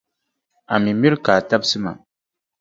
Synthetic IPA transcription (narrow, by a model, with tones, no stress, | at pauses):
a˨mi˨mi˦ɾkaː˨ta˦bsɨ˦ma̰˨m